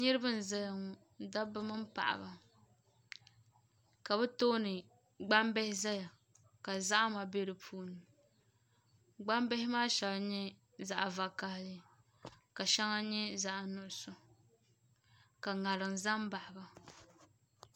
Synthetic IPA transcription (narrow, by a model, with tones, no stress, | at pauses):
ɲɨ˦ɾɨ˦bɨ˦n˨za˦ja˨ŋɔ˨ | da˦bɨ˦mɨ˦m˦pa̰˨ʔa̰˨ba˨ | ka˨bɛ˦to˦nɨ˨ | ɡ͡ba˦mbɛ˦hɪ˦za˦ja˨ | ka˨za˦ʔa˦ma˨be˦ɾɨ˨pʰuː˦nɨ˨ | ɡ͡ba˦mbɛ˦hɪ˦maː˦ʃɛ˨la˨ɲɛ˦ | za˨ʔa˨va˨ka˦hlɨ˦ | ka˨ʃɛ˦ŋa˦ɲɛ˦za˦ʔa˨nʊ˦ʔʊ˨sʊ˨ | ka˨ŋa˨lɨ˨n˨za˦mba˨ʔa˨ba˨